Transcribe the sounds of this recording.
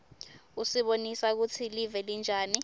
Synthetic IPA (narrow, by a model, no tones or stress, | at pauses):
usiɓonisak̬ut͡sʰilivɛlind͡ʒʱaːni